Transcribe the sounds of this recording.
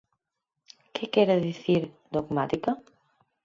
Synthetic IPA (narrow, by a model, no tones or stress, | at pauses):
kekɛɾaðiθiɾ | d̪oɣmat̪ikɐ